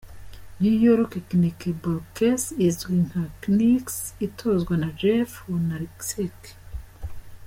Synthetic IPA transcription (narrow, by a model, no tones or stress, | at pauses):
nijoɾokeknikeboɾkesizwiŋhakniksitʰozɡwanad͡ʒefonaɾiksik